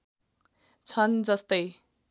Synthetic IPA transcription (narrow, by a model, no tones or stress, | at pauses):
t͡sʰʌnd͡zʌst̪ʌj